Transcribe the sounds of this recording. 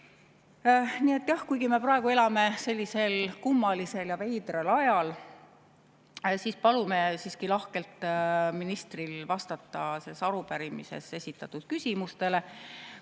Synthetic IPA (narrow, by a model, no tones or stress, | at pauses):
nie̞t̪ːˑjɑhkujɡime̞prɑeɡ̥ue̞lɑme̞se̞lʲːise̞lkumːɑlise̞ljɑve̞jd̪relɑjɑl | siːspɑlumesiːskilɑhke̞lt̪ˑminist̪rilvɑst̪ɑt̪ːɑsesɑɾupæɾimise̞̰se̞sʲit̪ːˑɑt̪ːud̪̥kysʲimust̪e̞le